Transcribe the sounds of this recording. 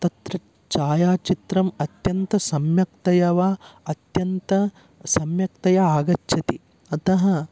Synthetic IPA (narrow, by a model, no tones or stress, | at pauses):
t̪ɐt̪ɾɐ | t͡ʃaːjaːt͡ʃit̪ɾɐmɐt̪jɐnt̪ɐsɐmjɐk̚t̪ɐjɐʋaːɐt̪jɐnt̪ɐ | sɐmjɐkt̪ɐjɐaːɡɐtːʃɐt̪i | ɐt̪ɐɦɐ